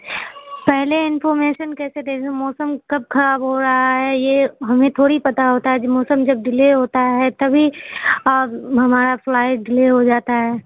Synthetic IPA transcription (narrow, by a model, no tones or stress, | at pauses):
pɛɦleɪnfɔːɾmeːʃənkɛːsed̪eːd͡ʒemɔːsəmkɐb̚kʰɐɾaːbɦoɾɐɦaɦɛjeɦɐmẽt̪ʰoːɽipɐt̪aɦoːt̪aɦɛd͡ʒmɔːsəmd͡ʒɐb̚ɖɪleːɦoːt̪aɦɛt̪ɐbʱi | ɦɐmaːɾaflaːɪʈ̚ɖɪleːɦod͡ʒaːt̪aɦɛː